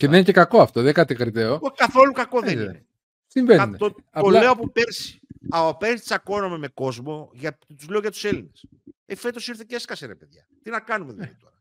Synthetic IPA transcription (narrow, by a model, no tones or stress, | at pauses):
ceðeninecekɐkoɐft̪oðeŋkɐt̪ekɾit̪eookɐθo̞lukɐko̞ðeine | siɱvent̪o | oleopupeɾsi̥ɐɐpeɾsist̪isɐko̞nomeme̞ko̞zmo̞ʝɐt̪uzle̞oʝɐt̪u̥se̞line̞s | efe̞t̪o̞siɾθeceskɐseɾɐpeðʝɐ̰t̪inɐkɐnumeðulðit̪o̞ɾɐ